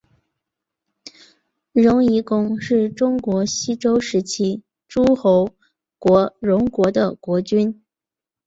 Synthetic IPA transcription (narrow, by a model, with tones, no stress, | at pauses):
ɻʊ˧˥ŋi˧˥kʊ˥ŋʂɻ̩˥˩ʈ͡ʂʊ˥ŋkwɔ˧˥ɕi˥ʈ͡ʂo˥ʊʂɻ̩˧˥t͡ɕʰi˥ | ʈ͡ʂu˥xo˧˥ʊ | kwɔ˧˥ɻʊ˧˥ŋkwɔ˧˥d̪ə˧kwɔ˧˥t͡ɕy˥n